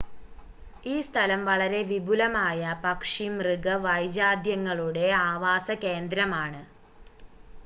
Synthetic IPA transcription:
iːst̪ʰɐlɐmʋɐɭɐɾe̞ʋibʱulɐmaːjɐpɐkʂimrɨɡɐʋɐjd͡ʑaːd̪jɐŋːɐɭuɽe̞aːʋaːsɐke̞ːnd̪ɾɐmaːɳɨ

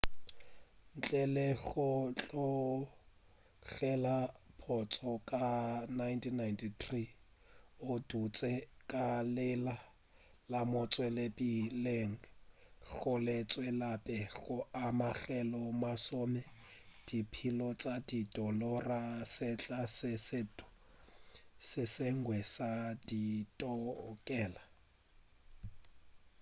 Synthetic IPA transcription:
n̩t͡ɬʼɛlɛɣʊt͡ɬʼɔ | ɣɛlapʰɔt͡sʼɔkʼanajntʰinajntitʰri | ʊdut͡sʼɛkʼalɪla | lamʊt͡sʼwɛlɛpʼileŋ̩ | ɣʊlɪt͡sʼwɛlapʼɛɣʊʔamaɣɛlɔmasʊmɛ | d̥ipʰilɔt͡sʼadidɔlɔrasɪt͡ɬʼasɪsɪ | sɪseŋ̩ɡwɛsaditʼɔkʼɛːla

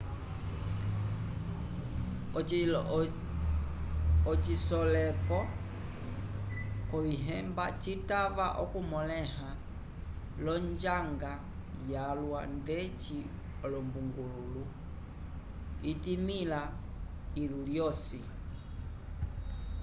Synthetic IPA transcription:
ɔt͡ʃisɔlɛpɔ | kɔiɦɛmbat͡ʃitavaʔɔkumɔlɛha | lɔɲd͡ʒaŋɡa | jalwandɛt͡ʃi | ɔlɔmbuŋɡululu | itimila | iluljɔsi

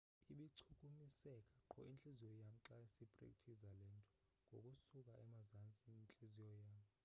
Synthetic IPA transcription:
iɓiǀʰukʼumisɛkʼḁǃʰɔ̰int͡ɬʼizijɔjam̩ǁaesipʼrḛk̚ʼtʰizalɛntʼɔ̥ | ŋɡʱo̰kʼusukʼaʔɛmazant͡sʼint͡ɬʼizijɔjaːm̩

